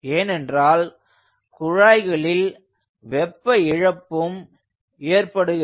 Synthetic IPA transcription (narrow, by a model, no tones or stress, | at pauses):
eːnɛndraːl | kʊɻaːɪɣɐɭɪl | ʋɛpːɐɪɻɐpːɯm | eːrpɐɽɯɣɪ